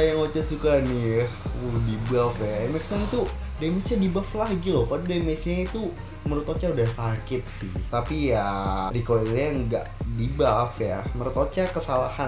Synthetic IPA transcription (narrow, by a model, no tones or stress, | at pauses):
ajaŋot͡ʃasukani | udibafjaɛmɛksant̪u | damesɲadibaflahɡilopadudamesait̪u | məɾʊt̪ot͡ʃaudahsakɪt̪̚sɪht̪apijadikoelaŋɡa̰ʔdibafjaməɾʊt̪ot͡ʃakəsalaha